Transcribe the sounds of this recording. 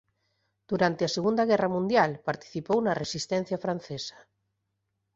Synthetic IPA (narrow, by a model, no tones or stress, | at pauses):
d̪̥uɾant̪easeɣund̪ɐɣ̞ɛrɐmũnd̪jalpaɾt̪i̥θipownɐresist̪ɛn̟θjɐfɾan̟θesɐ̥